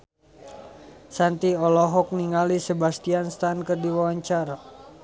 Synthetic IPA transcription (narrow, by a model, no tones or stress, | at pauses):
sant̪iɔlɔɦɔk̚niŋalisebast̪ianst̪ankɨrdiwawaɲt͡ʃaɾa